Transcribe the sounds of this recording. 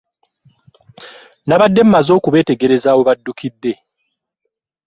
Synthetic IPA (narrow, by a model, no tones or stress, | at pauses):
naβadːe̞m̩mazo̞ːkuβe̞ːte̞ɡe̞ɾe̞zaːwo̞βadːukidːe̞